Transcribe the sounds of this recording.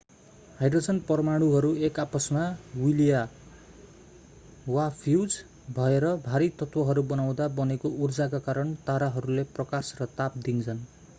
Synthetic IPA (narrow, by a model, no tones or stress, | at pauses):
hajdrod͡zʌnpʌrmaɽ̃uɦʌɾuekapʌsmawilija | wapʰiuwd͡z | bʱʌeɾʌbʱaɾit̪ʌt̪wʌɦʌɾubʌnaw̃d̪abʌnekourd͡zakakaɾʌɳt̪aɾaɦʌɾuleprʌkasrʌt̪ap̚d̪int͡sʰʌn